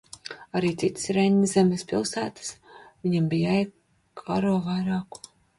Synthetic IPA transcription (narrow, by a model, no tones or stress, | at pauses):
aɾiːt̪sit̪ɨ̥sɾenʲːzemespilˠsæːt̪ɨ̥svʲiɲambijɛj | kʰaɾoɔvajɾɑːku̥